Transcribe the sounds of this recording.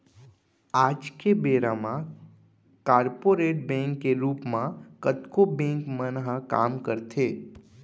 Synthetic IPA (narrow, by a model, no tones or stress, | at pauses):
aːd͡ʒkebeːɾamã | kaːɾpoɾeːʈ̚bɛ̃ŋkːeɾuːpmãkət̪kobɛ̃ːŋkmənɦəka̰ːmkəɾt̪ʰeː